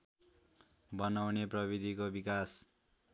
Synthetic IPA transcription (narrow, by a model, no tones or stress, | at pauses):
bʌnawneprʌbid̪ʱikobikas